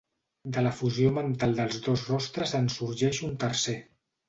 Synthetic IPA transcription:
d̪ələfuziomənt̪alˠd̪əlˠzðozrɔst̪ɾəzənsuɾʒɛʃunt̪əɾse

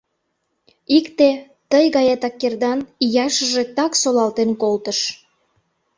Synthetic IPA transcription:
ikt̪e | t̪əjɣɑjet̪ɑkːerd̪ɑnijɑʃəʒet̪ɑksolɑlt̪enkolt̪əʃ

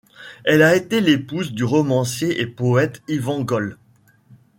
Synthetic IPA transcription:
ɛlaet̪elepuzd̪yʁɔmɑ̃sjeʔepɔɛt̪ivɑ̃ɡɔl

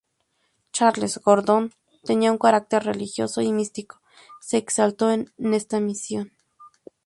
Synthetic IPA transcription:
t͡ʃaɾlesɡoɾd̪on | t̪eniauŋkaɾak̚t̪eɾrelixjosoimist̪iko̥ | seːksalt̪oenest̪amisjon

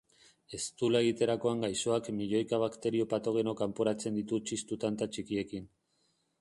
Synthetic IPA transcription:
e̞st̪ulaeɣ̞it̪e̞ɾako̞aŋɡajso̞akmiʎo̞jkaβakt̪e̞ɾio̞pat̪o̞ɣ̞e̞no̞kampoɾat͡se̞nd̪it̪ut͡ʃist̪ut̪ant̪at͡ʃikie̞kin

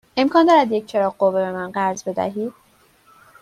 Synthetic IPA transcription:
e̞mkʰɒːnd̪ɒːɾæd̪jec̚ʰt͡ʃʰe̞ɾɒːɣɢovebe̞mænɢæɾzbe̞d̪æ̰ɦiːd̪̥̚

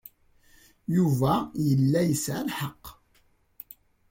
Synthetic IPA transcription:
juvæjəlːæjəsʕalħɑqː

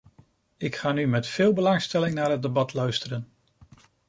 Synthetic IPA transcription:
ɪkχaːnymɛtfɪːlˠbəlɑŋstɛlɪŋnaːɹɦəd̚dəbɑtlœɥstəɾən

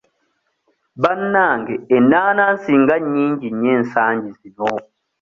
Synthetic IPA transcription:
banːaːŋɡɛːnanan̩siŋɡaɲiɲɟiɲen̩saːɲd͡ʒizinɔː

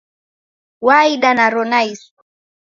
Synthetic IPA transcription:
waiɗanaɾɔnais

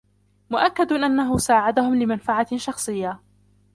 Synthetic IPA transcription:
mʊʔakːad̪ʔanːaɦʊsaːʕad̪ahʊmlɪmanfaʕaʃɑxsˤɨjːa

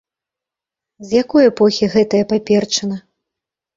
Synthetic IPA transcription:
zʲjakɔjɛpɔxʲiɣɛt̪ɐjɐpapʲɛrt͡ʂɐnɐ

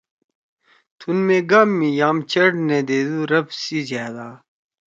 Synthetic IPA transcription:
t̪ʰunmeɡɐmːijaːmt͡ɕɐɽned̪eːd̪uɾɐbsizjaːd̪aː

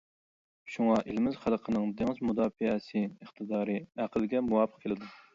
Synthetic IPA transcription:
ʃuŋɑʔelɪmɪzχælˠqʰənɨŋd̪eŋɪzmud̪ɑːfɨɛsɨəχt̪ʰɨd̪ɑːɾɨæqʰəlɡʲɛmuwɑːpʰə̥q̚kʰelɪd̪u

